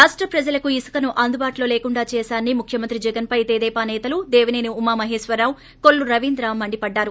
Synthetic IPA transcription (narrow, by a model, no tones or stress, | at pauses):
ɾaːʂʈɾɐpɾɐd͡ʒɐlɐkuisɐ̥kɐnuʔɐnd̪ubaːʈlo̞ːleːkuɳɖaːt͡ʃɛːsaːnːimukʰjɐmɐnt̪ɾid͡ʒɛɡɐnpɐjt̪eːd̪ɛːpaːnɛːt̪ɐlud̪eːʋineːniumːaːmɐɦeːʃʋɐɾaːw | koɭːuɾɐʋind̪ɾaːmːɐɳɖipɐɖːaːɾu